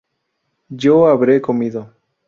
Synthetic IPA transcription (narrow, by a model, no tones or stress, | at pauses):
d͡ʒoaβɾekomiðo